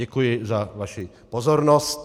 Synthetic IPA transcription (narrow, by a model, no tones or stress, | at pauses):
ɛkujɪzavaʃɪ | pozoɾnost̪